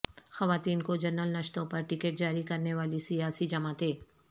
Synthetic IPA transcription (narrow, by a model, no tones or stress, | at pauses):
xɐʋaːt̪iːnkod͡ʒɐɾnəlnɐʃt̪õpɐɾʈɪkeːʈ̚d͡ʒaːɾikɐɾneʋaːlisijaːsid͡ʒɐmat̪ʰeː